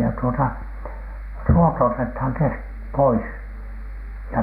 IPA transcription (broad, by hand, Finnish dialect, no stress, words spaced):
jɑ tuotɑ ruoto otethɑŋ kesk pois jɑ